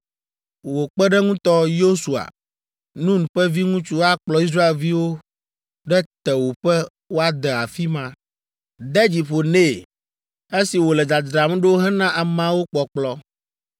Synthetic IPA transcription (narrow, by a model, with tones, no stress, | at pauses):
wo˨k͡pɛ˦ɖɛ˦ŋũ˦t̪ɔ˦jo˦su˨a̰˨ | nũ˦ŋ˨ɸɛ˦vi˦ŋũ˦t͡ʃu˦wa˦k͡plɔ˦i˦s̬ɾa˦e˨lvi˦wo˦ | ɖɛ˦t̪ɛ˨wo˨ɸɛ˦ | wo˦a˨d̪ɛ˨a˨fi˦mã˦ | d̪ɛ˦d͡ʑi˨ɸo˨ne˦˨ | e˦si˨wo˨lɛ˨d̪a˨d̪ɾa˨m˦ɖe˦wo˦ɦɛ˦nã˦ʔa˨mã˦wo˦k͡pɔ˨k͡plɔ˦